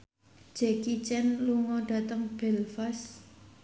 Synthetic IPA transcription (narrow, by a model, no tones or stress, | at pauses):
d͡ʒ̥ɛkit͡ʃɛnluŋɔɖ̥a̤t̪əŋb̥ɛlfas